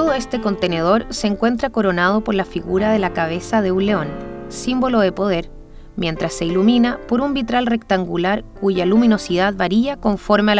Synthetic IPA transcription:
t̪oðoest̪e̞ko̞nt̪e̞ne̞ð̞o̞ɾseːŋkwe̞nt̪ɾako̞ɾo̞nað̞opo̞ɾlafiɣuɾað̞e̞lakaβ̞e̞sað̞e̞uleonsimbo̞lo̞ð̞e̞po̞ð̞e̞ɾ | mje̞nt̪ɾasːe̞iluminapo̞ɾumbit̪ɾalre̞kt̪aŋɡulaɾkuʝalumino̞sið̞aðβaɾiako̞ɱfo̞ɾmea

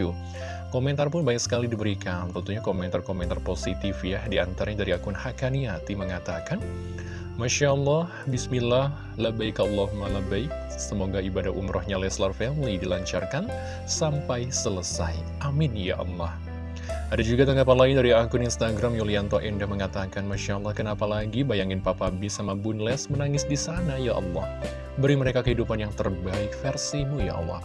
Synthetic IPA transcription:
u | komɛnt̪arpʊnbaɲak̚sə̥kalidibəɾikant̪ənt̪uhɲakomɛnt̪arkomɛnt̪arposit̪ɪfjahdiant̪aɾaɲadaɾiakʊnhakaniat̪iməŋat̪akan | maʃalːɑhbismilah | ləbaikaɔlːɔɦumaləbaik̚ | səmoɡaibadaumɾʔɔhɲalɛslarfɛmlidilaɲt͡ʃa̰rkan | sampajsələsaj | ʔamɪnja̰ʔɑ̰lːɑ̰h | ʔadad͡ʒuɡat̪aŋɡap̬anlaɪndaɾiakʊninst̪aɡɾamjuliant̪ɔʔɛndahməŋat̪akanmaʃaɑlˠːɑhkənapalaɡibajaŋɪnpapabisamabunlɛsmənaŋɪsdisanajaʔɑ̰lːɑ̰h | bəɾiməɾekakəɦidupanjaŋt̪ərbaɪk̚fɛrsimuja̰ʔɑ̰lːɑ̰h

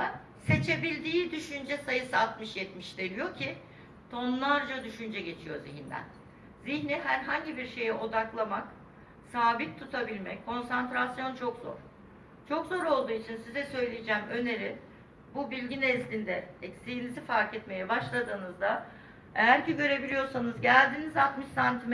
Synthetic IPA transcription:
a | se̞t͡ʃʰe̞bilʲd̪iːd̪yʃynd͡ʒɛsajɯsɯat̪mɯʃjɛt̪miʃd̪elijo̞cʰi | t̪ʰo̞nlˠaɾd͡ʒad̪yʃynd͡ʒɛɟe̞t͡ʃʰijo̞̰ziɦind̪æ̰n | ziçniɦæɾɦaɲɟibiɾʃe̞jɛo̞d̪aklˠamak | saːbik̚t̪ʰut̪ʰabilʲmɛ̰ckʰo̞nsant̪ɾasjo̞nt͡ʃʰo̞kzo̞̰ɾ̥ | t͡ʃʰo̞kzo̞ɾo̞lˠd̪uːit͡ʃʰinsizɛsø̞jlʲijid͡ʒɛːmø̞ne̞ɾi | bubilʲɟinɛzlʲind̪ɛɛcsijinizifaɾkɛt̪me̞jɛbaʃlˠad̪ɯːnɯzd̪a | ejæɾciɟø̞ɾe̞bilʲijo̞ɾsanɯzɟælʲd̪iːnizat̪mɯʃsant̪ʰim

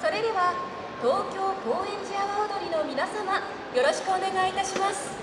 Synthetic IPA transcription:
so̞ɾe̞d̪e̞βa | t̪o̞ːkʲo̞ːko̞ːẽ̞ɲ̟d͡ʑiaβaod̪o̞ɾʲino̞mʲinasama | jo̞ɾo̞ɕi̥kɯ̟o̞ne̞ɡait̪aɕimasɨ̥

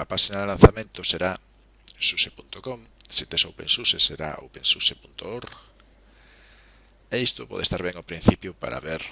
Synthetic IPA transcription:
ɐpaʃinaðelan̟θamẽnt̪ʊseɾa | susepunt̪okɔmsit̪esowpḛnsuseseɾa̰o̰wpẽnsusepunt̪ooɾ | eist̪opɔ̰ðḛst̪aɾβɛŋopɾin̟θipjʊpa̰ɾa̰βeɾ

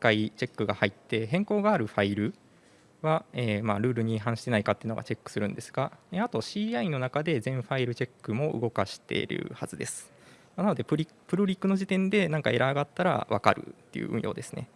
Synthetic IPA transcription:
kːait͡ɕe̞kːɯ̟ɡahait̪ːe̞ɦẽ̞ŋko̞ːɡaːɾɯ̟ɸaiɾɯ̟ | βaeːmaːɾɯ̟ːɾɯ̟ɲ̟iɦãɰ̃ɕi̥t̪e̞naikat̪ːeɯ̟noɡat͡ɕe̞kːɯ̟̥sɨɾɯ̟̃nd̪e̞sɨ̥ɡ̥aeat̪o̞ɕiːaino̞nakad̪e̞zẽ̞ɰ̃ɸaiɾɯ̟t͡ɕe̞kːɯ̟mo̞ɯ̟̰ɡo̞kaɕi̥t̪ḛɾɯ̟̰hazɨd̪e̞sɨ̥ | manano̞d̪e̞pɯ̟ɾʲi | pɯ̟ɾɯ̟ɾʲikːɯ̟no̞ʑit̪ẽ̞nd̪e̞nãŋkae̞ɾaːɡat̪ːaɾa̰βaka̰ɾɯ̟̰t̪ːe̞̰jɯ̟̰ʔɯ̟̰̃ɰ̃jo̞ːd̪e̞sɨne̞̰

